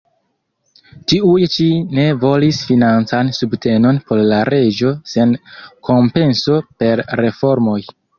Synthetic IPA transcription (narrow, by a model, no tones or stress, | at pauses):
t͡ʃiujt͡ʃine̞vo̞lisfinant͡sansubtʰe̞no̞npo̞ɾlaɾe̞d͡ʒo̞se̞nkʰo̞mpe̞nso̞pe̞ɾɾe̞fo̞ɾmo̞j